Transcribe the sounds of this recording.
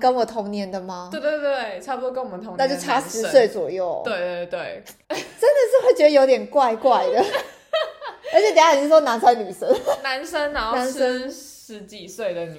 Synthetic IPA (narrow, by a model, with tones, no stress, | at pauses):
kə˦nwɔ˨˩t̪ʰɔ˧˥ŋnjɛ˧˦nd̪ə˨ma˨wɪ˩t̪e˥˩twe˥˩ɪʈ͡ʂʰa˥˩pu˧t̪o˥˧kə˥˦nwɔ˨˩ə˦t̪ʰŋna˥˧t͡ɕjo˥˩˧ʊʈ͡ʂʰa˥ʂɻ̩˨˧˦swe˥˩ɪt͡swɔ̰˨˩jo˥˩ʊt̪we˥˧ɪ˥˩t̪we˥˩ɪ | ʈ͡ʂə˦˥nd̪ə˨ʂɻ̩˥˧xwe˥˩ɪt͡ɕɥɛ˧˥d̪ə˧jo˧˥ʊt̪jɛ˨˩nkwa˥˧ɪkwa˥˩ɪd̪ə˩ | ə˧˥t͡ɕʰjɛ˨˩t̪ja˥˨˩na˧˥nsa˥nny˨˩ʂə˦na˧˦nsə˦nna˨˦˥na˧˦nə˥˦nʂɻ̩˧˦t͡ɕi˨˩swe˥˩ɪd̪ə˨ny˨˩